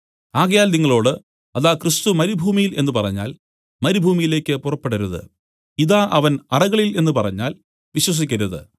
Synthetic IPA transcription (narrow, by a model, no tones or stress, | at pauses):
aːɣɐjaːlniŋːɐɭo̞ːɽɨ | ɐðaːkrɨst̪umɐɾibʱuːmijile̞nːɨpɐrɐ̰ɲːa̰ːl | mɐɾibʱuːmijile̞ːkʲːɨpurɐpːeɽɐɾuðɨ̰ | iðaːʔɐʋɐnɐrɐɣɐɭile̞nːɨpɐrɐɲːa̰ːl | ʋiɕwɐs̬ikʲːɐɾuðɨ̰